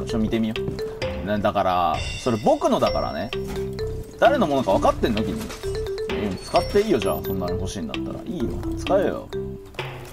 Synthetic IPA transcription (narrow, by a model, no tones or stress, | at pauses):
ɕomʲit̪e̞mʲionad̪akaɾa̰so̞ɾebo̞kɯ̟no̞d̪aka̰ɾa̰ne | d̪̥aɾe̞no̞mo̞no̞kaβ̞akat̪ːenːt̪ok̬ʲiɲḭ | ot͡sɨ̥kat̪ːe̞iːjo̞ʑa̰ːso̞nːaɾeɦo̞ɕiːniːa̰t̪ːa̰ɾa̰ʔiːjo̰t͡sɨ̥kaejo̰